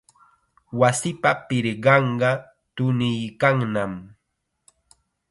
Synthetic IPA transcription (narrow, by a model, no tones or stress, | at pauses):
wasɪpapɪɾɢɑɴɢɑ | t̪ʊnɪjkaŋnam